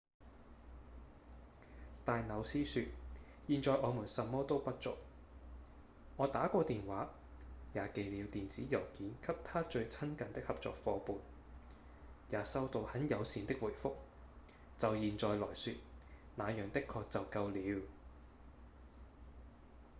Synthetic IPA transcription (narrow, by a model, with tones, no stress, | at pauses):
t̪aː˨jnɐ˨˧wsiː˥syː˧t̚ | jiː˨nt͡sɔː˨˧jʔɔː˨˧muː˨˩nsɐ˨mːɔː˥t̪o˥wpɐ˥t̚t͡sʊ̰˨k̚ | ŋɔː˨˧t̪aː˨˥kʷɔː˧t̪iː˨nwaː˨˥ | jaː˨˥ke˨˧jliː˨˧wt̪iː˨nt͡siː˨˥jɐ˨˩wkiː˨˥nkʰɐ˥p̚t̪ʰaː˥t͡ʃɵ˧ɥt͡sʰɐ˥nkɐ˨nt̪ɪ˥k̚hɐ˨p̚t͡sɔ̰ː˨k̚fɔː˨˧puː˨n | jaː˨˧sɐ˥wt̪o˧whɐ˨˥njɐ˨˧wsiː˨˧nt̪ɪ˥k̚wuː˨˩jfʊ˥k̚ | t͡sɐ˨wjiː˨nt͡sɔː˨jlɔː˨˩jsyː˧t̚naː˨˧jœː˨˩ŋt̪ɪ˥kʰːɔː˧k̚t͡sɐ˨wkɐ˧wliː˨˧˥w